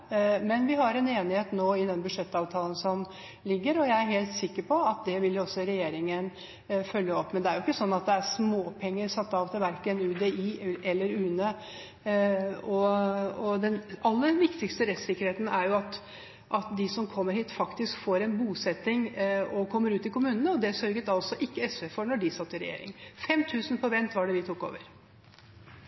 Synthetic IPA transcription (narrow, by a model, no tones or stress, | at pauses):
mɛnʋɪɦɑɾɛneːnɪheːt̪noːɪd̪ɛnbʉʂɛt̪ːɑːʋt̪ʰɑːlən̩sɔm | lɪɡːəɾɔjæɪæɾɦeːlt̪sɪkːəɾpʰɔɑt̪̚d̪ɛʋɪljʊɔsːɔɾɛjeːɾɪŋən | fœljəɔpːmɛnd̪ɛæɾjʊɪkːəsɔnːɑt̪̚d̪ɛæɾsmoːpʰɛŋːəɾsɑt̪ːɑːʋt̪ʰɪlʋæɾkənʉːd̪eiːʔɛlːəɾʉːnə | ɔɔd̪ɛnɑlːəɾʋɪkt̪ɪkst̪əɾɛt̪sɪkːəɾheːt̪nəʔæɾjʊɑt̪ | ʔɑt̪d̪ɪsɔmkʰɔmːəɾhiːt̪fɑkt̪ɪskfoːɾɛnbuːsɛt̪ːɪŋɔkʰɔmːəɾʉːt̪ɪkʊmʉːnənəɔd̪ɛsœɾɡət̪ɑlsɔʔɪkːəɛsʋɛfɔɳɔɖɪsɑt̪ːɪɾɛjḛːɾɪ̰ŋfɛmt̪ʰʉːsən̩pʰɔʋɛnt̪ʋɑɖɛʋɪt̪ʰʊkːo̰ːʋəɾ